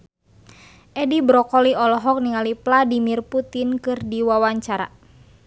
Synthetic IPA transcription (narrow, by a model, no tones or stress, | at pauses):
ʔɛdibɾɔkɔliɔlɔɦɔk̚niŋalipladimirput̪inkɨrdiwawaɲt͡ʃaɾa̰